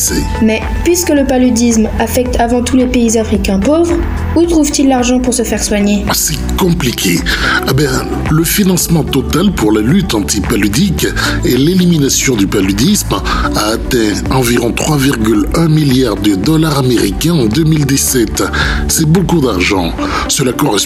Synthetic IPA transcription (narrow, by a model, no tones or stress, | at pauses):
sɛ | mɛ | pɥiskələpalyd̪ismafɛk̚t̪ʰavɑ̃t̪ulepeizafχikʲɛ̃povʁ | ut̪χuvt̪ilːaʁʒɑ̃puʁsəfɛʁswaɲesɛ | kɔ̃plikʲʰḛɛbɛ̃ | ləfinɑ̃smɑ̃t̪ɔt̪alpuʁlalyt̪ɑ̃t̪ipalyd̪ikeleliminasjɔ̃d̪ypalyd̪ismaːt̪ɛ̃ | ɑ̃viʁɔ̃t̪χwaviʁɡʲylɛ̃miljaʁd̪əd̪ɔlaʁameʁikʲɛ̃ɑ̃d̪ømild̪isɛt̪sɛbokud̪aʁʒɑ̃ | səlakɔʁɛs